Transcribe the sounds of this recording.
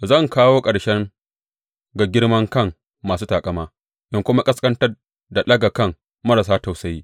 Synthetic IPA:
zɐ˦˨ŋkaː˦woː˦kʼɐ˨ɽʃɛ˦ŋ | ɡa˨ɡʲɪ˦ɽmɐ˦ŋkɐ˦˨ŋː | aː˨s̬uː˦taː˨kʼɐ˦˨maː˦ | ʔɪ˦ŋkʷʊ˦ma˦kʼɐ˦skʼɐ˦ntɐ˦r | da˨lɐ˦ɡa˨kɐ˦˨ŋ | mɐ˦ɾa˨s̬aː˦ta˨wsɐ˦jiː˦

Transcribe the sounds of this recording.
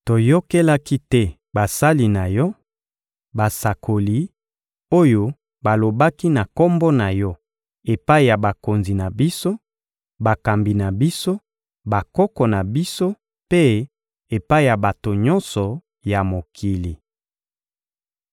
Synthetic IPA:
to˨jo˦ke˦la˦ki˦tɛ˦ | ba˨sa˦li˨na˨jɔ˦ | ba˨sa˨kʰo˨li˨˦ | o˦jo˦ | ba˨lo˨ba˦ki˦na˨kɔ˦mbɔ˦na˨jɔ˦ | e˨pa˦i˨ja˨ba˨ko˨nzi˨na˨bi˦so˦ | ba˨ka˨mbi˨na˨bi˦so˦ | ba˨kɔ˦kɔ˨na˨bi˦so˦ | pe˦ | e˨pa˦i˨ja˨ba˨to˨ɲɔ˦nsɔ˨ | ja˨mo˨kʰi˨li˨

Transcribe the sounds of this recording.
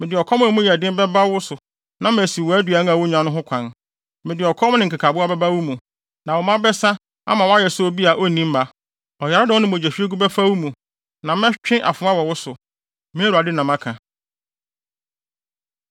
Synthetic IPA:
mɪ̃˨dɪ˨ɔ˨kʰɔ˦m̃˦˨mʊ̃˦ji˨æ˨dɪ̃˦m˦bɛ˦ba˦wʊ˦sʊ˨ | nã˦m̃˨æ˨si˨wɔ˨æ˦dɥa˨˦n˦a˨wʊ˦ɲã˨nʊ̃˦ɦʊ̃˦kʷʰã˨n | mɪ̃˨dɪ˨ɔ˨kʰɔ˦m˦nɪ̃˨ŋ̩˨kʰa˨kʰa˨bʊ˦a˦bɛ˦ba˦wu˦mũ˨ | nã˨wɔ˨mã˦bɛ˦sa˦ | a̰˦mã˨wa˦jɛ˨sʊ˦o˦bi˦a˨ʔo˦nĩ˦m̩˦ma˨ | ɔ˨ja˨ɾɪ˦dɪ˨wɔ˦nɪ̃˦mʊ̃˨d͡ʑæ˨ɕᶣi˦e˦ɡu˦ba˦fa˦wu˦mũ˨ | nã˨m˦ɛ̃˦t͡ɕᶣɪ̃˦ʔa̰˨fʊ̃˨˦a˦wɔ˨wʊ˦sʊ˨ | mɪ̃˦æ˦ɾu˨a˨dɪ˦nã˨mã˦kʰã˨

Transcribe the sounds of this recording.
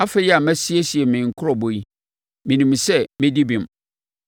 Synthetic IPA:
a˦fe˦jɛ˦a˨mæ˦si˦e˦si˨e˨mɪ̃˨ŋ̩˨kʰʊ˦ɾɔ˨bo˨i˦ | mĩ˨nũ˨m˨sɛ˦mɪ̃˦di˦bĩ˨m

